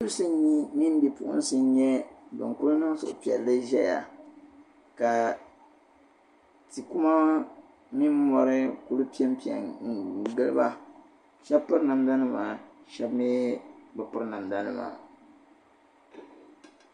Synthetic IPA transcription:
sɨ˦sɨ˦i˦mi˦n˦bi˨pṵ˦ʔʊ̰˦n˦sɨ˦n˦ɲɛ˦bɨ̰˨ŋku˦lɨ˦nɨ˦ŋ˦sʊ̰˨ʔʊ˨pi˨ɛ˨lːɨ˦ʒɛ˦ja̰˨ | ka˨ | ti˨ku˦ma˦ | mi˦m˦mɔ˦ɾɨ˦ku˦lu˦pi˦ɛ˦m˦pi˨ɛ̰˨ɡɨ˦lɨ̰˦ba˦ | ʃɛ˦bpɨ˦ɾna˨mda˦nɨ˦maː˨ʃɛ˦bme˦bɨ˨pɨ˦ɾna˨mda˦nɨ̰˦ma̰ː˨

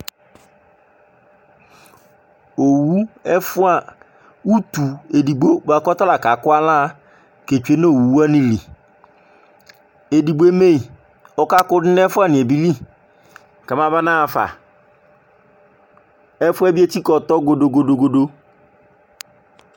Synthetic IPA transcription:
o˨wu˦ɛ˦fʊ˦a˨ | u˦t̪u˨e˨di˨ɡ͡bo˦ba˨kɔ˦ta˦la˨ka˨kʊ˦a˦la˦˨ | ke˨t͡ʃu˨e˨˦ne˦o˨wu˨wu˦a˦nĩ˨li˨ | e˨di˨bo˨˦e˦me˦i˨ | ɔ˦ka˦kʊ˦dɪ˦nɛ˦fʊ˦a˦˨nɪ̃˨e˨bi˦li˦ | ka˨mã˦ba˦nã˦˨fa̰˨ | ɛ˦fʊ˦ɛ˦bi˦e˦ti˦kɔ˨t̪ɔ˦ɡo˨do˨ɡo˨do˨ɡo˨do˦

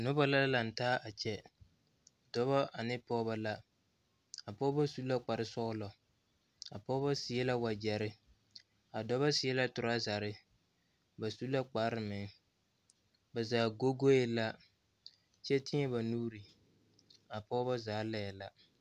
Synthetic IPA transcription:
nʊ˦ba˦la˦la˨n̩˨taː˦ʔa˨t͡ʃɛ˦ | dɔ˦βa˦ʔa˨nɪ˦pɔː˦ba˦la˦ | a˨pɔ˦ba˦su˦la˦k͡pa˨ɾɪ˨sɔ˦ʔʊ˦lɔ˨ | a̰˨pɔː˦ba˦sɪ˨ɛ˦la˦wa˨d͡ʒɛ˨ɾɪ˦ | a˨dɔ˦βa˦sɪ˨˦ɛ˦la˦tʊ˨ɾa˦za˨ɾɪ˦ | ba˨su˦la˦k͡pa˦ɾɪ˨mɪ˨ŋ | ba˨zaː˨ɡo˦ɡo˦jɪ˦la˦ | t͡ʃɛ˦tɪ˦ɲɛ˦ba˨nuː˦ɾi˨ | a˨pɔː˦ba˦zaː˨˦lɛ˦ɛ˨la˦

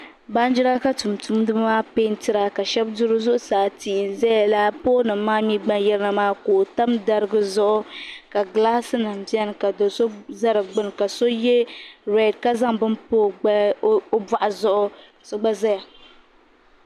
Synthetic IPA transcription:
ba˦n˦d͡ʒi˦ɾa˦ka˦tu˨m˨tu˦m˦dɨ˦bmaː˦pe˦n˦tɨ˦ɾa˨ka˨ʃɛ˦bdʊ˦ɾɨ˦zʊ˦ʔʊ˦saː˨ti˨ʔn˨zɛ˦ja˨la˦poː˦nɨ˨m˨˦maː˦mi˦ɡ͡ba˦njɛ˦lɨ˦na˦maː˦koː˨ta˦mda˨ɾɨ˦ɡɨ˦zʊ˦ʔʊ˦ka˨ɡlaː˦sɨ˦nɨ˨m˨bi˦ɛ˦n˨ka˨do˨so˦za˦ɾɨ˨ɡ͡bɨ˦n˨ka˨so˦jɛ˦ɾɛ˨dka˦za˦ŋbɨ˦npoː˦˨˦ba˨ʔa˨zʊ˦ʔʊ˦˨ | so˦ɡ͡ba˦za˦ja˨

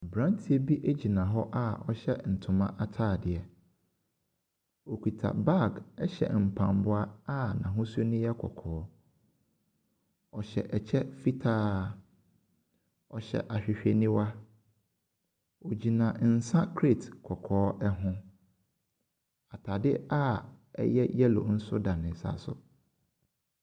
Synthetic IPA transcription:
bɾã˦n˦tʰi˨˦e˦bi˦ʔe˦d͡ʑi˨nã˨ɦɔ˦ʔa˦ɔ˦ɕɛ˦n̩˨tʰʊ̃˨mã˦ʔa˨tʰaː˦˨dɪ˨ɛ˨ | o˨kʰʷi˨tʰa̰˨ba˦˨ɡɛ˦ɕɛ̰˨m̩˨pʰã̰˨mbʊ˦a˦a˦nã˨ɦʊ̃˦sʊ˦nʊ̃˦jɛ˦kʰɔ̰˨kʰɔː˨˦ | ɔ˨ɕɛ̰˨ʔɛ˨t͡ɕʰɛ˦fi˦tʰaː˦ | ɔ˨ɕɛ̰˨ʔa˨ɕᶣɪ˨ɕᶣe˨nĩ˦wa˦ | o˨d͡ʑi˨nã˨n̩˨sã˦kʰɾe˦˨tkʰɔ˨kʰɔː˨˦ɛ˦ɦʊ̃˦ | a˨tʰa˨dɪ˦a˦ | ɛ̰˦jɛ˦jɛ˦lo̰˨n̩˦sʊ˦dã˨nɪ̃˨sa̰˨sʊ˨

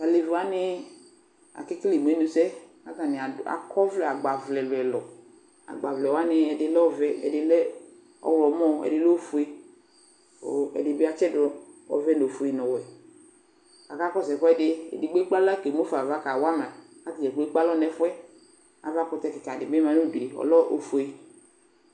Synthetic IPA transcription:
a˨le˨va˦nɪ˦ | a̰˨kɪ˦kli˨m˨e˨˦nu˨sɛ˦ | a˦ta˨nɪ˨a˨a̰˨kʰɔ˦vlɛ˨a˨ɡ͡ba˨vlɛ˨lʊ˨ɛ˨lɔ˨ | a̰˨ɡ͡ba˨vlɛ˨wa˦nɪ˧ɛ˨dɪ˨lɔ˦vɛ˦ɛ̰˨dɪ˨lɛ˦ | ɔ̰˦wlɔ˨˦mɔ˦˨ɛ̰˨dɪ˨lo˦fu˨e˦ | o˨ɛ̰˨dɪ˨bɪ˦a˦t͡ʃɛ˦dɔ˨˦vɛ˦no˨fu˨e˨nɔ˨wɛ˨ | ka˨ka˦kɔ˦sɛ˨kɔ˦ɛ˦˨dɪ˨ɛ̰˨dɪ˨ɡ͡be˦k͡pa˦la˦˨ke˨m˦o˦fa˨va˦ka˨wa˦mã˨ka˦ti˨ɛ˨ke˦k͡pa˦lɔ˦nɛ˨fɛ˦ | a̰˨va˦kɔ˧tɛ˦kɪ˨ka˨dɪ˨bɛ˦ma˨nu˦de˨ɔ̰˨lɔ˦ʔo̰˨fu˨e˨

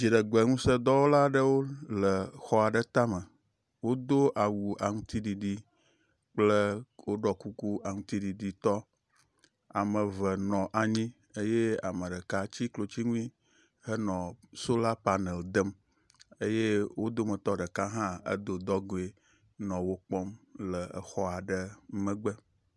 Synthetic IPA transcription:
d͡ʑi˨ɖə˨ɡ͡bɛ˨ŋũ˦sə˦d̪ɔ˦wo˦la˦ɖə˦wo˦lə˨xɔ˦a˨ɖə˦t̪a˦mə˨ | wo˦d̪o˦ʔa˨wu˨a˨ŋũ˦t̪i˦ɖi˨ɖi˦ | k͡plə˦wo˦ɖɔ˦ku˦ku˦a˨ŋũ˦t̪i˦ɖi˨ɖi˦t̪ɔ˦ | a̰˨mə˨və˨nɔ̃˨ʔa˨ɲĩ˦ | ə˦je˦a˨mə˨ɖə˨ka˦t͡ɕi˦klo˨t͡ɕi˦ŋũ˦ĩ˦ | hə˦nɔ̃˨so˦la˦pa˦ne˨ld̪ə˦m | e˦je˦wo˦d̪o˦mə˨t̪ɔ˦ɖə˨ka˦ɦã˦ə̰˦d̪o˨d̪ɔ˦ɡo˨e˦ | nɔ̃˨wo˦k͡pɔ˦mlə˨ə̰˨xɔ˦a˨ɖə˦mə̃˦ɡ͡bə˦

